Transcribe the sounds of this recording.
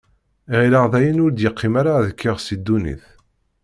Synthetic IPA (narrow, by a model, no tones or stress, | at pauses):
iʁilaʁðæjənʊɾd̪jəqːɪmaɾaðəkʰːɪʁsid̪ːunḭθ